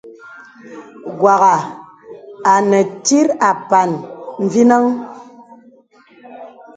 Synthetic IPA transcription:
ɡwa˨ɣa˨ | a˨nɛ˨ti˦ɾa˨pa˨nm̩˨vi˦na˦ŋ

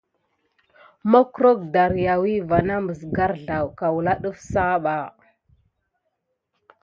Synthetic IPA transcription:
ma˦kɾo˦k̚da˨ɾja˨wi˦va˨na˦mə˨sɡa˦ɾɮa˨wka˨wu˨la˦ɗu˦fsa˦ɓa˨

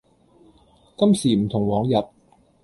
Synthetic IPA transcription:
kɐ˥msiː˨˩m̩˨˩t̪ʰʊ˨˩ŋwɔː˨˧˥ŋjɐ˨˩t̚

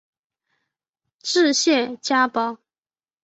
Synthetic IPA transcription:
ʈ͡ʂɻ̩˥˧ɕjɛ˥˨t͡ɕja˥pɑ˥ʊ

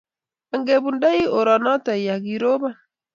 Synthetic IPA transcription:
a˨ŋɡe˨βu˨nda˦i˦o˨ɾɔ˨nɔ˦ta˨ja˨ɣi˨ɾo˦βa˦

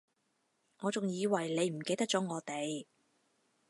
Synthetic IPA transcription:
ŋɔː˨˧t͡sʊ˨ŋjiː˨˧wɐ˨˩jle˨˧jm̩˨˩ke˧jt̪ɐ˥k̚t͡sɔː˨˥ŋɔː˨˧t̪e˨˧j

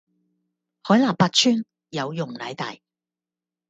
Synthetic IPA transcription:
hɔː˨˥jlaː˨˩paː˧t̚t͡ʃʰyː˥n | jɐ˨˧wjʊ˨˩ŋlɐ˨˥jt̪a̰ː˨j

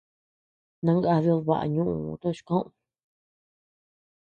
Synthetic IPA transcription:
nã˧ŋɡa˧βjo˧βa̰˨ʔa̰˧˨ɲũ˦ʔũ˧t̪o˦˧ʃi̥˧kõ˦ʔõ˧

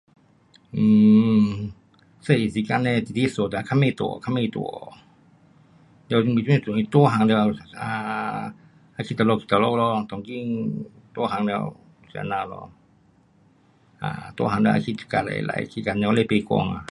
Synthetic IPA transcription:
ʔɨː˧˩ | sa˧˨si˧˦ka˧˨nɛ˧˨t̪i˨t̪i˧so˨t̪a˨˧kʰa˧˥˨me˧˨t̪ṵ˧˨kʰa˧˥me˧˨t̪ṵ˧˨˦ | dɛ˧i˧ŋbi˧˨u˧˦ne˧˨t̪u˨i˧t̪u˧˨ɦa˨˧ŋdɛ˧a˨a˧ | ʔa˧kʰi˧t̪̚a˧lɔ˧˨kʰi˧t̪a˧lɔ˧lɔ˧t̪ɔ˨ŋki˧˨ŋ | t̪u˧˦ɦa˨˧˦ŋdɛ˧w | sḭ˧˨naː˧˨lɔ̰˧ | ʔa̰˧t̪ṵ˧˦˧haː˨˧˦ndɛ˧ʔa̰˧kʰi˧t̪̚i̥˧ka˧la̰˧˨jla̰˧˨jkʰi˧ka˧˨nɛ˧le˧˨pe˧kɔ̰˧˨ŋa̰˧˨

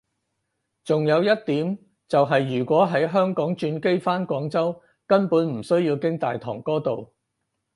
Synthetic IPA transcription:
t͡sʊ˨ŋjɐ˨˧wjɐ˥t̚t̪iː˨˥m | t͡sɐ˨wɦɐ˨jːyː˨˩kʷɔː˨˥ɦɐ˨˥jɦœː˥ŋkɔː˨˥ŋt͡ʃyː˧nke˥jfaː˥nkʷɔː˨˥ŋt͡sɐ˥w | kɐ˥npuː˨˥nm̩˨˩sɵ˥ɥjiː˧wkɪ˥ŋt̪aː˨jt̪ʰɔ̰ː˨˩ŋkɔː˥t̪o˨w

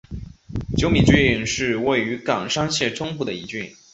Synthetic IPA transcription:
t͡ɕjo˧˥ʊmi˨˩t͡ɕi˥˧˩nʂɻ̩˥˧we˥˩ɪy˧˥kɑ˨˩ŋʂɑ˥ŋɕjɛ˥˩ʈ͡ʂʰʊ˥ŋpu˥˩d̪ə˩i˧˥t͡ɕy˥˩n

